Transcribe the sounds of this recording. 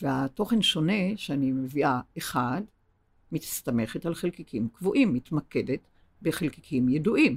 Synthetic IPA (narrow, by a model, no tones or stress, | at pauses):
vehato̞χe̞nʃo̞ne̞ʃeanimeviaeχad | mit̪st̪ame̞χetalχelkikʰimkvoʔimːit̪makedet | beχelkikʰimjeduʔim